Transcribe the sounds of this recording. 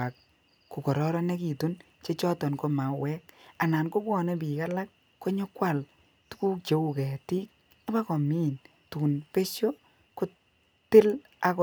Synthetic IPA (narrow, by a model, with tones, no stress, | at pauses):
a˨k̚ | ku˨kɔ˨ɾɔ˦ɾɔ˦ne˦ki˨tu˦n | t͡ʃe˦t͡ʃɔ˦tɔ˨nko˦ma˨wɛ˦k̚a˨na˨nko˦kwɔ˨ne˦pi˨ka˦la˦kː | o˦ɲo˦kwa˦˨l | tu̥˦ku˦t͡ʃe˨u˨kɛ˨ti˦k̚ | a˦ba˦kɔ˨mi˦n | tu˨npe˦ʃjo˦ | kʊ˦ | tɪ˦l | a˨k